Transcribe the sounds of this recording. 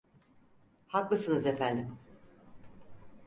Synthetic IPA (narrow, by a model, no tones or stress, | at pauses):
haklˠɯsɯnɯzefænd̪im